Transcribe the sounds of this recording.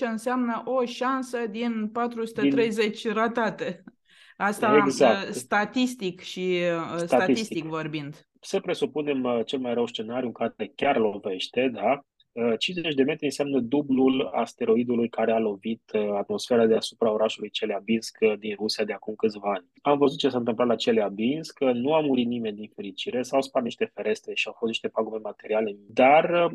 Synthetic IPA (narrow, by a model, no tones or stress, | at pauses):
t͡ʃeɨnseamnəʔo̞ʃansəd̪inpat̪ɾusut̪et̪ɾe̞jze̞t͡ʃʲrat̪at̪e̞ | ast̪aeɡzakst̪at̪ist̪ikʃisst̪aat̪iist̪t̪ikvo̞rbind̪ | səpɾe̞supune̞mət͡ʃe̞lmajɾəwst͡ʃe̞naɾijukaekʲarlove̞ʃt̪e̞d̪a | ət͡ʃinzeet͡ʃʲd̪e̞met̪ɾʲeiɨnseamnəd̪ublula̰st̪e̞ɾo̞id̪ulujkaɾealo̞vit̪at̪mo̞sfe̞ɾad̪easupɾao̞ɾaʃulujt͡ʃeleabinskd̪inrusiad̪e̞akumkɨt̪sʲvaanʲamvəzut̪̚t͡ʃe̞saɨnt̪ɨmplat̪lat͡ʃeleabinskənuamuɾit̪̚nime̞nʲd̪infe̞ɾit͡ʃiɾe̞sawspat̪niʃt̪e̞fe̞ɾe̞st̪ɾe̞ʃiawfost̪niʃt̪e̞paɡume̞mat̪e̞ɾiale̞d̪ar